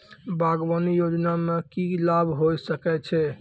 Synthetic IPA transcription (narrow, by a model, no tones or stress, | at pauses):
baɡwanijod͡ʒnamekilabʱɦojsəkɛt͡ʃʰɛ